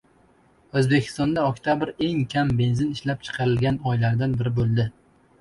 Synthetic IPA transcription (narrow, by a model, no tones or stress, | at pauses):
ɵzbe̞kʲʰɪ̥st̪ɒnd̪aɒkʲt̪ʰabɪɾe̞ŋkʲʰambe̞nzɪnɪʃlap̚t͡ʃʰɨ̥qʰɑɾɪlɡʲanɒjlaɾd̪anbɪɾɪbolˠd̪ɪ